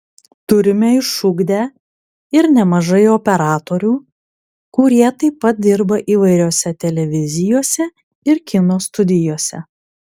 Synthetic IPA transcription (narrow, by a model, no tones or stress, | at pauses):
t̪ʊɾʲɪmʲɛɪʃʊɡd̪ʲæː | ɪɾnʲɛmɐʒɐɪopʲɛɾɑːt̪oːɾʲuː | kʊɾʲiɛt̪ɐɪpːɐt̪̚d̪ʲɪɾbɐʔiːʋɐɪɾʲoːsʲɛt̪ʲɛlʲɛʋʲɪzʲɪjoːsʲɛ | ɪɾkʲɪnoːst̪ʊd̪ʲɪjoːsʲɛ